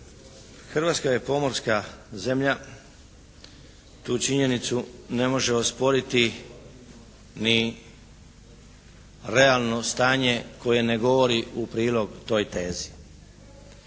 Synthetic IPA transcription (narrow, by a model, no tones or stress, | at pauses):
xr̩ʋat̪skajepo̞mo̞ɾskaze̞mʎa | t̪uːt͡ʃiɲe̞nit̪sune̞mo̞ʒeospo̞ɾit̪i | ni | ɾe̞alˠno̞st̪aːɲe̞ko̞je̞ne̞ɡo̞ʋo̞ɾiupɾiːlˠo̞ɡt̪o̞ːjt̪e̞ːzi